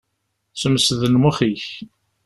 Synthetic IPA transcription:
səmsðənmʊχiç

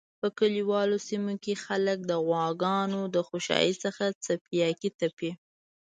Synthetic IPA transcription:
pəkəliwɑlosimokexalək̚d̪əɣwɑɡɑnod̪əxoʃɑ̰jisəxat͡sapijɑkit̪ape

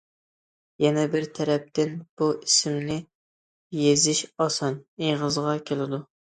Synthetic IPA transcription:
jɛnɛbɪɾt̪ʰɛɾɛp̚t̪ʰɪnb̥uʔisɪmnɪ | jezɪʃɑsɑnejʁəzʁɑkʲʰelɪd̪u

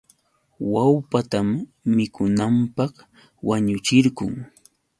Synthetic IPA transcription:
wawpat̪amːɪkʊnampɑχ | waɲʊt͡ʃɪɾɢʊŋ

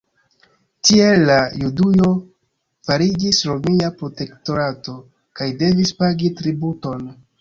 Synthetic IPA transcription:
tie̞lːajudujo̞ | faɾid͡ʒisɾo̞miapɾo̞te̞kto̞ɾato̞ | kajde̞vispaɡitɾibuto̞n

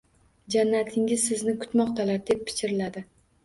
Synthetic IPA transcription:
d͡ʒanːat̪ʰɪŋʲɪzsɪznɪkʰʊ̥t̪mɒqt̪ʰalaɾd̪e̞pʰːɪ̥t͡ʃɪɾɪlad̪ɪ

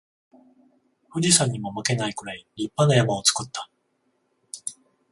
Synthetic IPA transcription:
ɸɯ̟d͡ʑisãɲ̟ːimo̞make̞naikɯ̟ɾaiɾʲipːanajamao̞t͡sɨ̥kɯ̟t̪ːḁ

